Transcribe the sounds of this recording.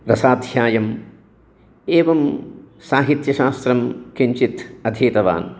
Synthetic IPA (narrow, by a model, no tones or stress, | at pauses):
ɾɐsaːd̪ʱjaːjɐm | eːʋɐm | saːɦit̪jɐʃaːst̪ɾɐmkʰiɲt͡ʃit̪ɐd̪ʱeːt̪ɐʋa̰ːn